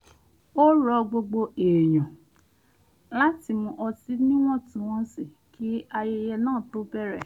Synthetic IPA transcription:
o˦ɾɔ˧ɡ͡bo˧ɡ͡bo˧eː˨j̃ɔ̃˨ | la˦ti˧˨mũ˧ʔɔ˧si˦nĩ˦w̃ɔ̃˦tũ˦w̃ɔ̃˦si˦˨ | kʰi˦a˧je˧˦jɛ˧nãː˦˨to˦bɛ˦˨ɾɛ˦˨

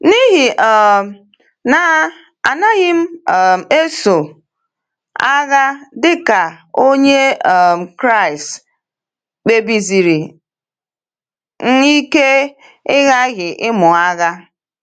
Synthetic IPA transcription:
ni˦ɦi˨ʔɔ˨ | na˨ | a˨na˦ɣɪ˦m̩˦˨e˦so˨ | a˦ɣa˦dɪ˦ka˨o˦ɲe˦˨kɾa˦˨i˨st | k͡pe˦bi˦zi˨ɾi˨ | ŋ̩˦i˦ke˦ | ɪ˦ɣa˦ɣɪ˨ʔɪ˦mʊ˨a˦ɣa˦

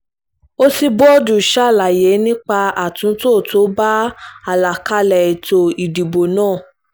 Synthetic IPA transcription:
o˦ti˧bɔ˦du˨ʃa˦˨la˨je˨˦nĩ˦k͡pa˧a˨tũ˨˦to˦˨to˨˦ba˦a˨la˨ka˧lɛ˨i˨to˨i˨di˨bo˨nãː˦˨

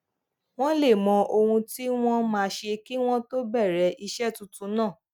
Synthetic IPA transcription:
w̃ɔ̃˦le˦˨mɔ̃˨˧ʔo˧hũ˧ti˦w̃ɔ̃˦mãː˧ʃe˧ki˦w̃ɔ̃˦to˦bɛ˦˨ɾɛ˨˦ʔi˧ʃɛ˦tũ˧˦tũ˨˧˦nãː˦˨

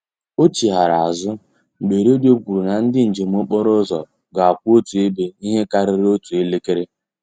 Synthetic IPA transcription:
o˦t͡ʃi˨ɦa˨ɾa˨a˨zʊ˦ | ŋ͡m̩˨ɡ͡be˨ɾo˦do˦kʷu˨ɾu˨na˨n̩˦dɪ˦n̩˨d͡ʒe˨m̩˨˦o˦k͡pɔ˦ɾo˦zɔ̰˨ | ɡa˨a˨kʷu˦o˦tu˨e˦be˦i˦ɦe˦ka˦ɾɪ˨˦ɾɪ˦o˦tu˨e˦le˦ke˦ɾe˦

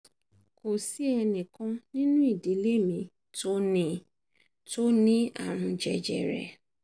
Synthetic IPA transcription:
ko˨si˦ɛ˧nĩ˨kã˦nĩ˦nũ˦i˦˨di˨˦le˦mĩ˨˧˦ | to˦nĩ˦ | to˦nĩ˦a̰˦˨ɾ̃ũ˧d͡ʒɛ˨d͡ʒɛ̰˨ɾɛ̰˨

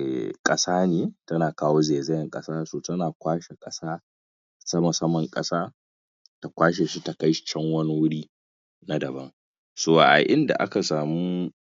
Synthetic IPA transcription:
kʼɐ˦saː˦neː˨tɐ˦naː˨kaː˦woː˦zeː˨zɛ˦jɐ˦ŋkʼɐ˦saː˦soː˨tɐ˦naː˨kʷaː˦ʃe˨kʼɐ˦saː˦ | sɐ˦mɐ˨sɐ˦mɐ˨ŋkʼɐ̰˦saː˦ | tta˨kʷaː˦ʃ̬eː˨ʃi˦ta˨ka˦jt͡ʃɛ˦ŋwɐ˦ni˦wʊ˦ɽiː˦ | na˦dɐ˨bɐ˦ŋ | soː˦˨ʔa̰˨ʔɪ˦nda̰˨ʔa̰˦ka˨saː˨mu˦

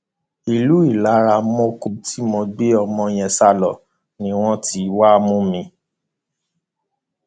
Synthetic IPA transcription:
i˨lu˦i˦˨la˨˦ɾa˧˦mɔ̃˦ku˧˨btʰi˦mɔ̃˧ɡ͡be˦ɔ˧mɔ̃˧j̃ɛ̃˧sa˦˨lɔ˨ | nĩ˨˦w̃ɔ̃˦ti˧˦wa˦mũ˦mĩ˧

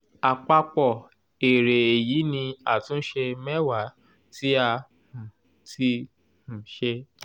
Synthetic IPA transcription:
a˨k͡pa˧k͡pɔ˨ | e˨ɾe˨e˨ji˨˦nĩ˧a˨tũ˨˦n̩˦ʃe˧mɛ˦wa˨˦ | ti˦a˧ | hũ˨ | ti˧ | h̩˨ʃe˧

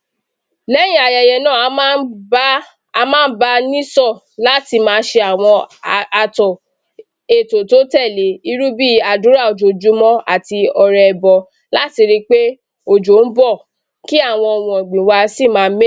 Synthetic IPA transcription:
lɛ˦j̃ĩ˦a˨jɛ˨jɛ˨nãː˦˨˦ | mãː˦n̩˦ba˧nĩ˦sɔ˦˨ | la˦ti˧mãː˦˧˦ʃe˧a˨w̃ɔ̃˧a˧tɔ˨ | e˨to˨to˨˦tɛ˦˨le˨˦i˧ɾu˦bi˦a˧dũ˨˦ɾa˦˨o˨d͡ʒo˨d͡ʒu˨˦mɔ̃˦a̰˦˨ti˧ɔ˧ɾɛ˧˨bɔ˧ | la˦ti˧ɾi˧k͡pe˦ | o˨d͡ʒo˨˦n̩˦bɔ˦˨ | ki˦a˦˨w̃ɔ̃˧ɔ˨wɔ̃˨ɔ˨ɡ͡bĩ˨wa˧si˦˨mãː˨˧˦me˦

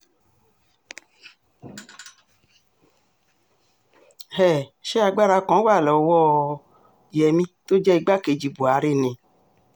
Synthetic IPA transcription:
hɛ˦˨ʃe˦a˧ɡ͡ba˦ɾa˧kɔ̃˨˦wa˦˨lɔ˨wɔ˦˨ | ɛ˨mĩ˦t̪o˦d͡ʒɛ˦i˧ɡ͡ba˦ke˨d͡ʒi˨bo˨a˨ɾe˦nɛ̃˨

